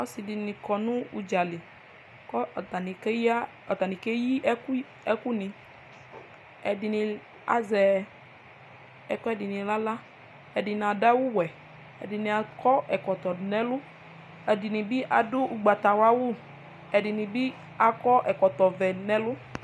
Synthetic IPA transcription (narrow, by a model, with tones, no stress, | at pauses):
ɔ˦si˨di˨nĩ˨kɔ˨nũ˦u˨d͡ʒa˨li˨ | kɔ˦˨ta˨ni˨kɛ˦ja˦ | ɔ˨t̪a˨nĩ˨kɛ˦ji˦k | ɛ˦ku˦nĩ˨ | ɛ˨di˨nĩ˨ | a̰˨zɛ˨ | ɛ˨kɔ˦ɛ˦˨di˨nĩ˨la˦la˦ | ɛ˨di˨n˨a˨da˦wu˦wɛ˨ | ɛ̰˨di˨nĩ˨a˨kɔ˦ʔɛ˨kɔ˨t̪ɔ˨nɛ̃˦lʊ˦ | ɛ˨di˨nĩ˨bi˦ʔa˨dʊ˦ʔu˨ɡ͡ba˨t̪a˨wa˦wʊ˦˨ | ɛ˨di˨nĩ˨bi˦ | a˨kɔ˦ʔɛ˨kɔ˨t̪ɔ˨vɛ˨nɛ̃˦lʊ˦